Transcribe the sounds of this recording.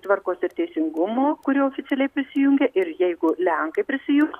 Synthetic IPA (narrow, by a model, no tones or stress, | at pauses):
t̪ʋɐɾkoːsɪɾt̪ʲɛɪsʲɪŋɡʊmoːkʊɾʲiːoːfʲɪt̪sʲɛlʲɛɪpʲɾʲɪsʲɪjʊŋʲɡʲeʔɪɾjɛɪɡʊlʲɛŋkɐɪpʲɾʲɪsʲɪjʊŋk